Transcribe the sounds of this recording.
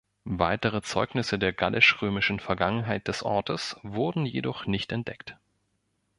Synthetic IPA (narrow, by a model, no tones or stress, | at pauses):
vaɪtəʁ̞ət͡sɔʏɡnɪsədeːɐɡalʔɪʃʁøːmɪʃn̩fɛɐɡaŋənɦaɪt̚d̥ɛsʔɔ̰ɐtəsv̥ʊɐdn̩jedɔχnɪçtɛnt̚d̥ɛkt